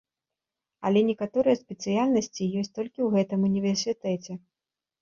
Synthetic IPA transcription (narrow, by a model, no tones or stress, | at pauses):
ɐ̰lʲɛnʲɛkat̪ɔɾɨjɛspʲɛt̪sɨjalʲnɐsʲt͡sʲijɔsʲt̚ʲt̪ɔlʲkʲiwɣɛt̪ɨmunʲivʲɛrsʲɨt̪ɛt͡sʲɛ